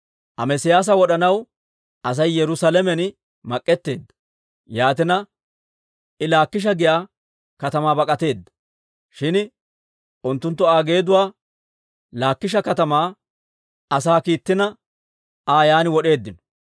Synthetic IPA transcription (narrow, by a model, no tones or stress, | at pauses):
ʔɐ̰mɛsɪjaːs̬ɐwɔɗɐnɐw | ʔɐs̬ɐjːɛɾʊsalɛmɛn | mɐkʼːɛt̪ːe̞ːd̪ːɐ̥ | jaːt̪ɪnɐ | ʔɪlaːkːɪʃ̬ɐɡɪjaː | kɐt̪ɐmaːbɐkʼɐt̪e̞ːd̪ːɐ̥ | ʃɪn | ʊnt̪ːʊnt̪ːɔaːɡe̞ːd̪ʊwaː | laːkːɪʃ̬ɐkɐt̪ɐmaː | ɐsaːkiːt̪ːɪnɐ | aːjaːnɪwɔɗe̞ːd̪ːɪnɔ̥